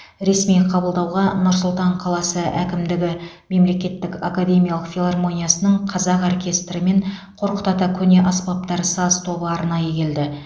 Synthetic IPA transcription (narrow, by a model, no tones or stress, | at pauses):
ɾe̞smijqʰɑbəlˠd̪ɑwʁɑnʊɾsʊlˠt̪ɑɴqʰɑlˠɑsəʔækʲɪmd̪ɪɡʲɪ | me̞mle̞kʲe̞t̪ːɪkʲakad̪ʲe̞mʲijalˠəqfʲilˠarmo̞nijasənəɴqʰɑzɑqorkʲe̞st̪ɾəme̞ɴqʰo̞ɾqə̥t̪ɑt̪ɑkʲʰɵne̞ʔɑspɑp̚t̪ɑɾsɑzt̪ʰo̞bəɑɾnɑjəkʲʰe̞ld̪ɪ